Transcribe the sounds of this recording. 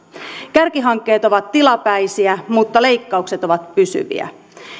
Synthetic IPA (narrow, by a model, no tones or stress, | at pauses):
kærkiɦɑŋkːe̞ːt̪o̞ʋɑt̪ːilɑpæijsiæmut̪ːɑle̞jkːɑukse̞t̪o̞ʋɑt̪pysy̰ʋḭæ̰